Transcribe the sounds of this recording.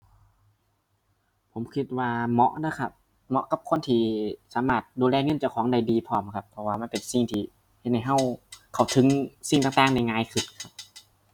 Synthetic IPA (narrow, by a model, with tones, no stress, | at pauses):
pʰo˩˦mkʰi˧t̪̚waː˧mɔ̰˧˥ʔna˧˥˩kʰa˧˩p̚ | mɔ˧ʔka˧˦p̚kʰo˧˥˨nt̪ʰiː˧˩saː˨˦maː˧˩t̪̚duː˧lɛː˧˨ŋɤ˧˥˨nt͡ɕa˧˩wkʰɔː˨˦ŋda˧˩jdiː˧pʰɔː˧˩mkʰa˧pʰːɔ˧waː˧˩ma˧˥˨npe˨nsi˧˩ŋt̪ʰiː˧˩ | he˧˩t̪̚ha˧˩jɦa˧˩wkʰa˨˩wt̪ʰɯ˨˦ŋsi˧˩ŋt̪aː˨ŋt̪aː˧˥˨ŋna˧˩jŋaː˧˨jkʰɯ˧˩t̪̚kʰa˧p̚